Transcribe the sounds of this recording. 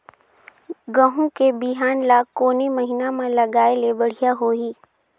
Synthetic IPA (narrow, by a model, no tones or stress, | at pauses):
ɡəɦũkebiɦaːnlakoːnemɐɦinamãlɐɡaːelebɐɽ̤ijaɦoːiː